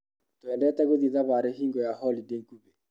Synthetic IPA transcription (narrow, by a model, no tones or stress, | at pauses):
toɛndɛtɛɣoðiðaβaɾeɦiŋɡɔjahɔlideŋkuβe